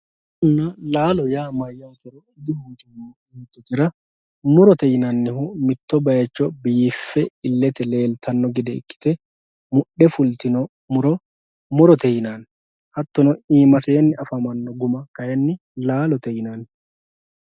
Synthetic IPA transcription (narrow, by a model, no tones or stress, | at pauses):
ʊnːɐlaːlɔjaːmɐjːɐt̪ɪɾɔɪd̪ɪhukʼɪn | t̪ːɛt̪ɪɾɐ | mʊɾɔt̪ɛjɪnɐnːɪhʊmɪt̪ːɔbɐjɐt͡ʃːɔbɪjɪfːɛɪlːɛt̪ɛle̞ːlt̪ʰɐnːɔɡɪd̪ɛɪ̰kːɪ̥t̪ɛ | mʊɗːɛfʊlt̪ɪnɔ | mʊɾɔ | mʊɾɔt̪ɛjɪnaːn | hɐt̪ːɔnɔiːmɐseːnːɪʔɐfɐmɐnːɔɡʊmɐkɐjɛnːɪ | laːlɔt̪ɛjɪnaːn